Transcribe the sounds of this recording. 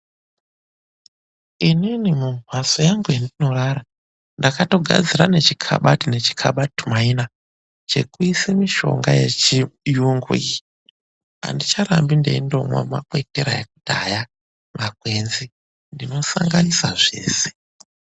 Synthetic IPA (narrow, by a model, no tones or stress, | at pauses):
ininimumʱwasojaŋɡujindino̞ɾaɾa | ndakato̞ɡʱa̰d͡ziɾane̞t͡ʃikʰa̰ɓatine̞t͡ʃi̥kʰa̰ɓatu̥maina | t͡ʃe̞̰kuisemiʃo̞̰ŋɡa̰jet͡ʃijuŋɡṵi | a̰ndit͡ʃaɾambinde̞̰indo̞mwa̰ma̰kwe̞teɾa̰jek̚udaja | mak̚we̞nzi | ndino̞saŋɡanisaʐe̞̰ːse̥